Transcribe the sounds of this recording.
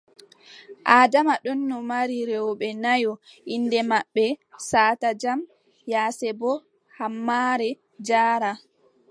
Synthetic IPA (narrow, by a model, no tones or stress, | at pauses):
ʔaːdamaɗɔnːɔmaɾiɾɛɔɓɛnajɔʔindɛmaɓːɛsaːtad͡ʒam | jaːsɛbɔ | hamːaːɾɛ | d͡ʒaːɾa